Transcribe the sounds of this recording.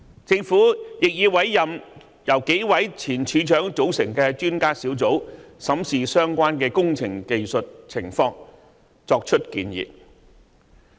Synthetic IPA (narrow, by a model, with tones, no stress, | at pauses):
t͡sɪ˧ŋfuː˨˥jɪ˨k̚jiː˨˧wɐ˨˥jːɐ˨m | jɐ˨˩wke˨˥jwɐ˨˥jt͡sʰiː˨˩nt͡ʃʰyː˨˧t͡ʃœː˨˥ŋt͡so˨˥wsɪ˨˩ŋkɛː˧t͡ʃyː˥nkaː˥siː˨˥wt͡so˨˥wsɐ˨˥msiː˨sœː˥ŋkʷaː˥nkɛː˧kʊ˥ŋt͡sʰɪ˨˩ŋke˨jsɵ˨t̚t͡sʰɪ˨˩ŋfɔː˧ŋ | t͡sɔː˧k̚t͡ʃʰɵ˥t̚kḭː˧njḭː˨t̚